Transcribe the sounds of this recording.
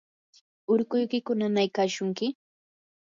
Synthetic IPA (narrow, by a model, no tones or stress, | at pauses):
ʊɾkʊjkɪkʊnanajkaːʃʊŋkɪ